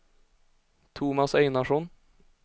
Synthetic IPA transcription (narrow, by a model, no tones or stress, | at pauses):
t̪ʰumɑsœɪnaʂɔn